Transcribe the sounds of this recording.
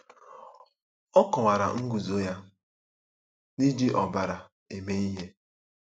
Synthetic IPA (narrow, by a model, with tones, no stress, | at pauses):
ɔ˦kɔ˨ŋa˨ɾa̰˨ŋ̩˦ɡu˨zo˦ja˦ | ni˦di˦ʔɔ˨ba˨ɾa˨ | e˨me˦i˦ɦe˦